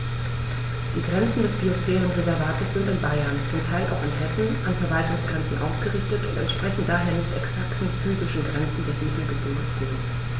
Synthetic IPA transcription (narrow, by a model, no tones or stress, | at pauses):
d̥iːɡʁɛnt͡sn̩dɛsb̥iosfɛːʁənʊntʁezɛɐvaːtəsz̥ɪntɪnbaɪɐnt͡sʊmtʰaɪlʔa̰ʊxɪnhɛsn̩ʔanfɛɐvaltʊŋsɡ̥ʁɛnt͡sn̩ʔa̰ʊsɡ̥əʁɪçtətʊ̰̃ntɛ̰ntʃpʁ̥ɛçn̩daːɦeːɐnɪçtɛksaktn̩fyːzɪʃn̩ɡʁɛnt͡sn̩dɛsmiːtl̩əɡəbonəsføːə